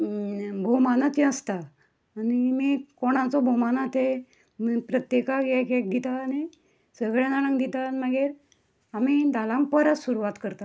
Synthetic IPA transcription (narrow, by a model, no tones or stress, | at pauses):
bʱomanat͡ɕ̪ĩəst̪aː | nimikoɽ̃ãt͡sɔbʱomanat̪e | mpɾət̪jekaɡekek̚d̪it̪aːni | səɡɭjãnanə̃ŋd̪it̪anməɡeɾ | amid̪alãŋkpəɾət̪suɾuʋat̪kəɾt̪a